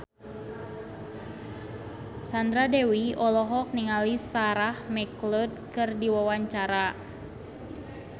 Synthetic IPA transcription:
sand̪ɾadɛwiɔlɔɦɔk̚niŋalisaɾahmɛklɔd̚kɨrdiwawaɲt͡ʃaɾa

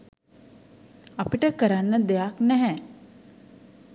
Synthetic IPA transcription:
apiʈəkəɾanːəd̪ejaknɛɦɛ̃

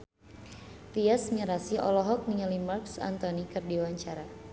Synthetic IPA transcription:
t̪iasmiɾasiʔɔ̰lɔɦɔk̚niəlimarksa̰nt̪ɔnikɨrdiwaɲt͡ʃaɾa

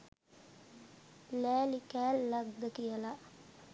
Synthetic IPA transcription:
læːlikæːlːaɡd̪əkijəlaʔ

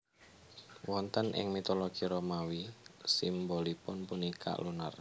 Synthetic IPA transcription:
wɔnt̪ənʔɪ̰ŋmit̪oloɡ̥iɾomawisimbolipʊnpunikʰa̰ʔluna̰r

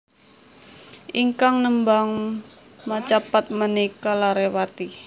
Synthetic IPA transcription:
ʔiŋkaŋnəmbaŋ | mat͡ʃapat̪̚mənikalaɾewat̪i

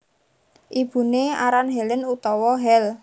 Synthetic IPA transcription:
ʔib̥ṳneaɾanɦɛlənut̪ɔwɔɦɛl

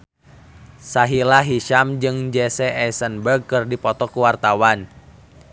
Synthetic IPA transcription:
saɦilaɦiʃamd͡ʒɨŋd͡ʒɛsɛʔɛsənbərɡ̚kɨrdipɔt̪ɔkuwart̪awan

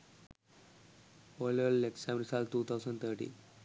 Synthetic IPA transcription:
oləlːeksãmɾisalʈːuːt̪ʰaʊsə̃ɳɖt̪ʰəɾʈḭ̃

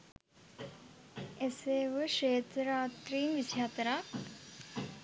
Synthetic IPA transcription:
eseːʋəʃeːt̪ɾaːt̪ɾiːmʋisjaːt̪ɾa

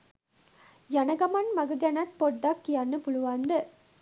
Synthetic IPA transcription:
jɐnɐɡɐmɐnmɐɡɐɡɐnɐt̪̚poɖːɐkːijɐnːɯpʊɭuʋaːnd̪ɯ

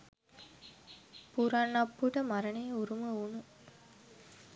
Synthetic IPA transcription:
puɾanːɐpːuʈəmaɾəneːuɾuməunu

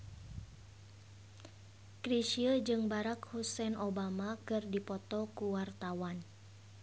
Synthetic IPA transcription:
kɾiʃiəd͡ʒɨŋbaɾakhusɛnobamakɨrdipɔt̪ɔkuwart̪awan

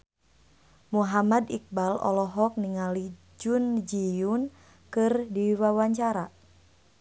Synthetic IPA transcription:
muɦamadik̚balɔ̰lɔɦɔk̚niŋali | d͡ʒund͡ʒijun | kɨrdiwawaɲt͡ʃaɾa

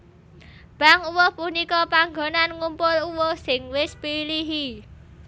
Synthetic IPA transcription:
b̥a̤ŋuwohpunikɔpaŋɡonanŋumpʊluwohsɪŋwɪspiliɦi

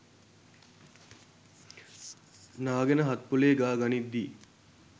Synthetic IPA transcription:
naːɡenəɦat̪̚puleːɡaːɡɐnid̪ːiː

